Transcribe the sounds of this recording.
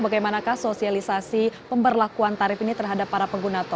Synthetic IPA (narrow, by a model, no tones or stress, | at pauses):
baɡajmanakahsosialisasipəmbərlakuant̪aɾɪfinit̪ərɦadapːaɾapəŋɡunat̪ɔ